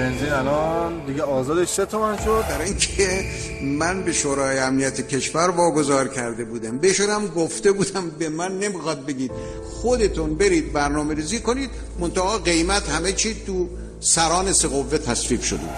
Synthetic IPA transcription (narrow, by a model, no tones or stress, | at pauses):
benziːnælɒnd̪iɡeɒːzɒːd̪eʃset̪ʰomænʃod̪bæɾinkʰe | mænbe̞ʃoːɾɒːjeæmnijæt̪ʰecʰeʃvæɾvɒːɡo̞zɒːɾcʰæɾd̪e̞buːd̪æmbeʃunæmɡoft̪e̞buːd̪æmbe̞mænːe̞mixɒːd̪̚be̞ɡʲiːd̪̥ | xod̪e̞t̪ʰunbe̞ɾiːd̪̚bæɾnɒːme̞ɾiːziːko̞niːd̪ | mont̪æɒːɢe̞jmæt̪hæmet͡ʃʰiːt̪ʰu | sæɾɒːneseɣovːet̪ʰæsviːbʃod̪eṵd̪